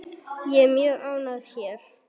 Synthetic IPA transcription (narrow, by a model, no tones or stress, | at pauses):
jɛmjœːʔaːwnaðçɛɾ̥